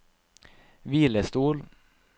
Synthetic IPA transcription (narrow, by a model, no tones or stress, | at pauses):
viːləst̪uːl